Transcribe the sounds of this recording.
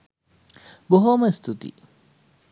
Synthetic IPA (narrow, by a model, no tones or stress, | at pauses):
boɦoːmɐist̪ʰut̪ḭ